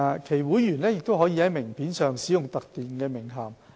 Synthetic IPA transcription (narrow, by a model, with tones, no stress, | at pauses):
a˧kʰe˨˩jwuː˨˥jːyː˨˩nlɛː˥jɪ˨k̚t̪o˥wɦɔː˨˥jiː˧hɐ˨˦˥jmɪ˨˩ŋpʰiː˨˥nsœː˨˩ŋsiː˨˥jʊ˨ŋt̪ɐ˨k̚t̪iː˨nkɛː˧mɪ˨˩ŋɦaː˨˩m